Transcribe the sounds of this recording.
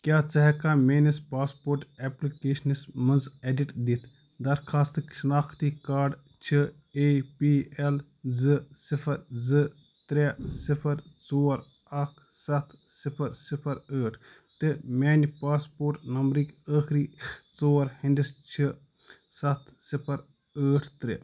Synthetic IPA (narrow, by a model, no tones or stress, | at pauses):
kʲjaːt͡sɐɦɛkaːmeːnispaːspoːɾʈeːplikeːʃɐnismɐnzeːɖiʈd̪it̪ʰ | d̪ɐɾkʰaːst̪ɨʃɐnaːkʰt̪iːkaːɾɖ | t͡ʃʰi | eːpiːel | zɨsipʰɐɾzɨ | t̪ɾeːsipʰɐɾt͡soːɾ | ɐkʰ | sɐt̪ʰ | sipʰɐɾsipʰɐɾəːʈʰ | t̪ɨmʲeːnipaːspoːɾʈnɐmbɾikəːxɾiːt͡soːɾhind̪ist͡ʃʰi | sɐt̪ʰsipʰɐɾ | əːʈʰt̪ɾḛ